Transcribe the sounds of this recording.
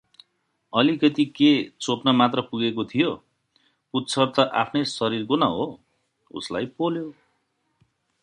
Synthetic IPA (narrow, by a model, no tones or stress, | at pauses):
ʌlikʌt̪iket͡sopnʌmat̪rʌpuɡekot̪ʰijo | put̪ːt͡sʰʌrt̪ʌʔapʰnʌjsʌɾirkonʌɦo | ṵslajpoljo